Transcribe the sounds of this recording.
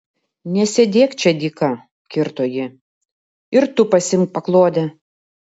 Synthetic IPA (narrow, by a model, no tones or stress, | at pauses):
nʲɛsʲɛd̪ʲeːkt͡ʃʲɛd̪ʲikɐ | kʲɪɾt̪oːjɪ | ɪɾt̪ʊpɐsʲɪmk̚pɐklˠoːd̪ʲɛ